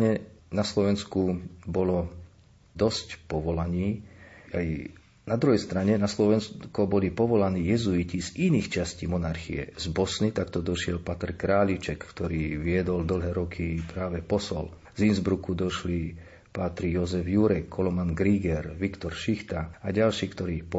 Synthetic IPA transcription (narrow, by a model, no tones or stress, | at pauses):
ɲɛnaslɔʋɛnskubɔlɔ | d̪ɔscpɔʋɔlaɲiːaj | nad̪ɾuɦɛjst̪ɾaɲɛnaslɔʋɛnskɔbɔlipɔʋɔlaniːjɛzuiciziniːxt͡ʃasciːmɔnaɾxḭjɛ̰zbɔsnit̪akt̪ɔd̪ɔʃɪɛlpat̪ɛɾkɾaːlit͡ʃɛkːt̪ɔɾiːʋɪɛd̪ɔld̪l̩ɦɛːɾɔkʰipɾaːʋɛpɔsɔ̰l | zinzbɾukud̪ɔʃli | pat̪ɾijɔzɛvjuɾɛkʰːɔlɔmanɡɾiːɡɛɾʋikt̪ɔɾʃixt̪aaɟalʃiːkt̪ɔɾiːpɔ